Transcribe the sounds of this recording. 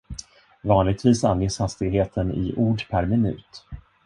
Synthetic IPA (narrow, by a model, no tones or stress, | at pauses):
vɑːnlɪɡ̚t̪viːsanjeːshast̪ɪɡɦeːt̪ʰənɪ̰ʔuːɖpʰæɾmɪnʉ̟̰ːt̪